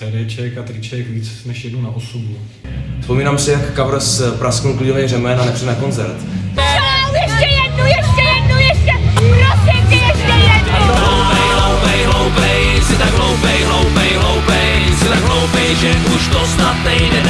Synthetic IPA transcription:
sɛɾɛt͡ʃɛkat̪ɾɪt͡ʃɛkviːt͡snɛʃjɛdnunaʔosubu | fspo̞miːnaːmsɛjakkavɾspɾaskowklinovɛjrɛmɛnanɛpr̥ijɛnakonzɛ̰ɾt̪ | jɛʃɛjɛdnujɛʃɛjɛdnujɛʃɛɾosiɪɛʃɛɛalowpɛjɦlowpɛjɦlowpɛjsɪt̪aɡɦlowpɛjɦlowpɛjɦlowpɛjsɪt̪aɡɦlowpɛjʒɛʔuʃt̪osnat̪nɛjdɛ

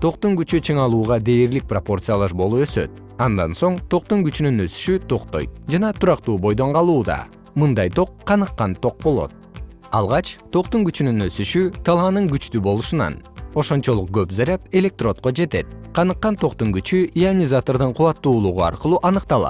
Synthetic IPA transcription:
t̪ʰo̞qt̪uŋɡyt͡ʃyt͡ʃʰɯɴɑlˠuːʁɑd̪e̞ːɾlik̚propo̞rt̪sɨjalˠɑʃbo̞lˠuø̞sø̞̰t̪̚ | ɑnd̪ɑ̰nso̞ɴt̪ʰo̞q̚t̪uŋɡyt͡ʃynynø̞sy̥ʃyt̪ʰo̞qt̪o̞̰j̚d͡ʒɑnɑt̪ʰuɾɑqt̪uːbo̞jd̪o̞ɴqɑlˠuːd̪ɑ̰ | mɯnd̪ɑjt̪ʰo̞qʰːɑnɯqːɑnt̪ʰo̞q̚bo̞lˠo̞̰t̪̚ | ɑlˠʁɑt͡ʃt̪ʰo̞qt̪uŋɡyt͡ʃynynø̞syʃyt̪ʰɑlˠɑnɯŋɡyt͡ʃt̪ybo̞lˠuʃunɑ̰no̞ʃo̞nt͡ʃo̞lˠuq̚ɡøpzaɾʲat̪e̞lʲe̞k̚t̪ro̞t̪̚qod͡ʒe̞t̪e̞t̪̚qʰɑnɯqːɑnt̪ʰo̞qt̪uŋɡyt͡ʃyianʲizat̪o̞rd̪ɯɴqʰuɑt̪ːuːlˠuʁuɑ̰ɾqɯlˠuːʔɑnɯqt̪ɑlˠɑ̰t̪

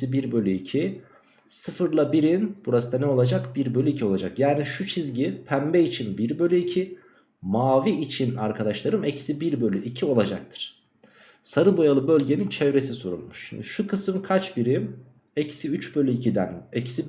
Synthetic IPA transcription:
ibiɾbø̞lʲyicʰi | sɯfɯɾlˠabiɾinb̥uɾasɯd̪anɛo̞lˠad͡ʒakbiɾbølʲyicʰio̞lˠad͡ʒakjaːniʃut͡ʃʰizɟipʰæmbeit͡ʃʰinbiɾbø̞lʲyicʰi | maːviːt͡ʃʰinaɾkʰad̪aʃlˠaɾɯmecsibiɾbø̞lʲyʔicʰio̞lˠad͡ʒak̚t̪ʰɯ̥ɾ̥ | saɾɯbojalˠɯbø̞lʲɟe̞nint͡ʃʰɛvɾe̞sisoɾṵlˠmuʃʃḭmd̪iʃukʰɯsɯmkʰat͡ʃbiɾim | ecʰsiyt͡ʃbø̞lʲyicʰid̪ænecsi

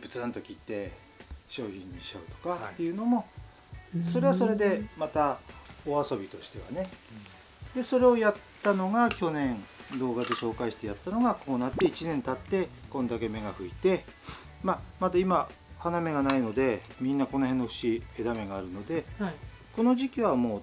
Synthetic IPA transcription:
bɯ̟t͡sɨãnt̪o̞kʲiːt̪ːe̞ | ɕo̞ːçĩɲ̟ːiɕa̰ɯ̟t̪o̞̥kat̪ːe̞jɯ̟no̞mo̞ | so̞ɾe̞βaso̞ɾe̞d̪e̞mat̪aoaso̞bʲit̪o̞ɕi̥t̪e̞βa̰ne̞ | d̪e̞so̞ɾe̞o̞jat̪ːano̞ɡakʲo̞nẽ̞nd̪o̞ːɡad̪e̞ɕo̞ːkaiɕi̥t̪ejat̪ːano̞ɡako̞ːnat̪ːe̞it͡ɕinẽ̞nt̪at̪ːe̞kõ̞nd̪ake̞me̞ɡaɸɯ̟it̪e̞ | mamad̪aima | haname̞ɡanaino̞d̪e̞mʲĩnːako̞no̞hẽ̞nːoɸɯ̥ɕie̞d̪ame̞ɡaːɾɯ̟no̞d̪e̞ko̞no̞ʑikʲiβamo̞ː

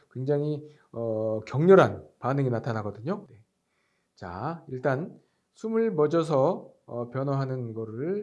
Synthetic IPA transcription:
kwe̞ŋd͡ʑaŋi | ʌkjʌŋɲʌɾɦanpanɯŋinatʰanaɡʌdɯɲone̞ | t͡ɕa̰iɭt͈an | sʰumɯɭmʌd͡ʑʌs̬ʰʌ | ʌpjʌnʌɦanɯnɡʌɾɯɭ

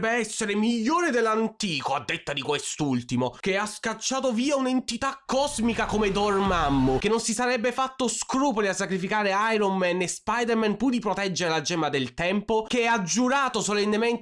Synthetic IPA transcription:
bːeɛsːeɾemiʎːoːɾed̪elːant̪iːkoad̪ːet̪ːad̪ikwest̪ult̪imokeaskat͡ʃːaːt̪oviːaunent̪it̪akːɔzmikakomed̪ormamːokenːonsisaɾɛbːefat̪ːoskɾuːpoliasːakɾifikaːɾeajɾommɛnːespajd̪eɾmɛnpud̪ipɾot̪ɛd͡ʒːeɾelad͡ʒɛːmad̪elt̪ɛmpokeɛad͡ʒːuɾaːt̪osolenːemɛnt̪

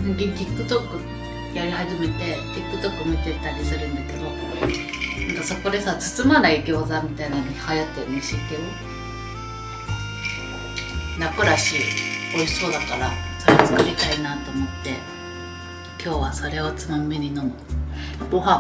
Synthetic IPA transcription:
nãɡʲikʲikːɯ̟t̪okːɯ̟ | jaɾʲihaʑime̞t̪e̞kʲikːɯ̟t̪o̞kːɯmʲit̪e̞t̪ːaɾʲisɨɾɯ̟̃nd̪ake̞d̪o̞ | nãŋkaso̞ko̞d̪e̞saːt͡sɨ̥t͡sɨmanaiɡʲo̞ːzamʲit̪ainanihajat̪ːeniɕikeo | o̰nakɯ̟ɾaɕio̞iso̞ːd̪akaɾa̰soɾeot͡sɨ̥kɯ̟ɾʲit̪ainat̪o̞ːmo̞t̪ːe̞̰ | kʲʰo̞ːβaso̞ɾe̞o̞t͡sɨmameɲ̟ino̞mɯ̟boɦa

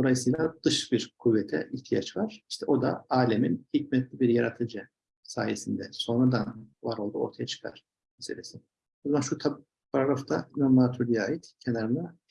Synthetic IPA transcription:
d̪o̞lˠajɯsɯjlˠad̪ɯʃbiɾkʰuvːɛt̪ʰɛ̰ʔiht̪ʰija̰t͡ʃvaɾ̥iʃt̪ʰɛo̞d̪a̰aːlʲɛminhicmɛt̪lʲibiɾjaɾat̪ʰɯd͡ʒɯ | saːjesind̪ɛso̞nɾud̪anvaɾo̞lˠd̪uo̞̰ɾt̪ʰajat͡ʃʰɯ̥kʰa̰ɾ̥ | meselʲesi | buzmanʃut̪ʰap | pʰaɾaɾaft̪ʰanomat̪ʰuɾlʲijaːjit̪cʰenaɾɯna

